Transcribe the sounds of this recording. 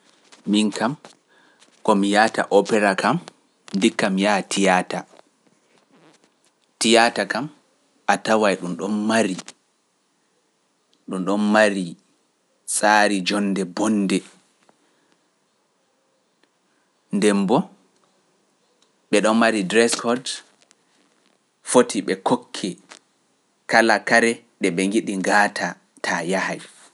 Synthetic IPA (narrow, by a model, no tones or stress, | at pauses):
minkam | kɔmijata̰ʔɔpɛɾakam | ndikːamjatʰijata | tijatakam | ʔatawajɗumɗɔnmaɾi | ɗumɗɔnmaɾi | sʼaːɾid͡ʒɔnːdɛbɔnːdɛ | ndɛmbɔ | ɓɛɗɔnmaɾidɾɛskɔd | fotiɓɛkokʰːɛ | kalakaɾɛ | ɗɛɓɛŋɡiɗiŋɡaːtʰa | tʰajahaj